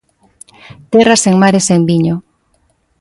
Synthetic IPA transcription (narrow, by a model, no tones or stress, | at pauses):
t̪eraseŋmaɾesembiɲo